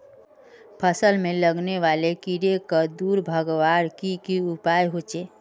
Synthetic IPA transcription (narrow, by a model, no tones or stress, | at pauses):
pʰəsəlmeləɡneʋalekiɾekəd̪uɾbʱəɡʋaɾkikiupajɦot͡ʃe